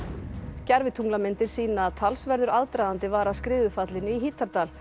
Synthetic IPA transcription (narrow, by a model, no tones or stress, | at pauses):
cɛɾvɪt̪ʰuŋklamɪnt̪ɪɾ̥siːnaːðt̪ʰalsvɛɾðʏɾaðt̪ɾajðant̪ɪvaːɾaskɾɪːðʏfat̪lɪnʏiɦiːt̪aɾt̪aːl